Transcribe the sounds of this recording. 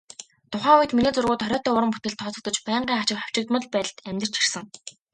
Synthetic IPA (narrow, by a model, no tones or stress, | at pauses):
t̪ʰʊχæːuj̆t̪miniːt͡sʊrɣʊːt̪χɔɾʲɔːt̪ʰœːʊɾə̆mput̪̚kɘ̆ɮt̪ʰɔːt͡sɞ̆kt̪ɞ̆t͡ɕpæːɴɢiːŋat͡ɕɪ̆kχaw̥t͡ɕɪ̆k̚t̪mə̆ɮpæ̆ːt̪æmʲt̪ə̥̆t͡ɕʰir̥sə̆ŋ